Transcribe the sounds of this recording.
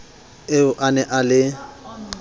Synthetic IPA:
eʊʔanɛʔalɪ

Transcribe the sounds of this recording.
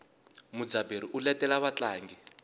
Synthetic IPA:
mud͡zabeɾiʔulɛtʼɛlaβat͡ɬaːŋɡi

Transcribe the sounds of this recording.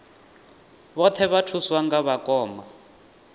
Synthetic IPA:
βɔt̪ʰɛβatʰuswaŋɡaβakʼɔːma

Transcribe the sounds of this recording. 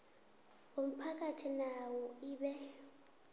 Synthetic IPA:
om̩pʰak̬ʼatʰinawɔiːɓɛ

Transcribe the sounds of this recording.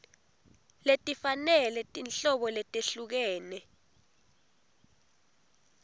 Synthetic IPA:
letʼifanɛlɛtʼinɬɔɓɔlɛtʼeɬuk̬ɛːnɛ

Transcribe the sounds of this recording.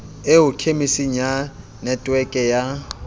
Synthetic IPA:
eʊkʰemisiɲ̩a | nɛtʼwɛkʼɛja

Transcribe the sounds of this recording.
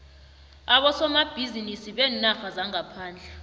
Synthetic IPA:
aɓɔsɔmab̥ʱizinisiɓɛːnaxazaŋapʰaːnd͡ɮʱɛ

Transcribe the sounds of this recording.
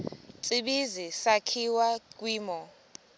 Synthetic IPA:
t͡sʼiɓizisakʰiwak̬ʼwiːmɔ

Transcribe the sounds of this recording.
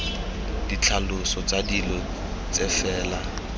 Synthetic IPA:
d̥it͡ɬʰalʊsɔt͡sʼadilɔ | t͡sʼɛfɛːla

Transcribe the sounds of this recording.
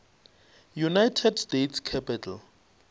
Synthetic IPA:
junajtʰɛdstetʰskʰɛpʰitʰal

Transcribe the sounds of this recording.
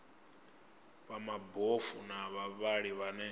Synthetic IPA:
βamabofunaβaβaɺiβanɛ

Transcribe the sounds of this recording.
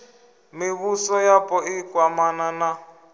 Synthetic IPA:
miβusɔjapʼɔikʼwamanana

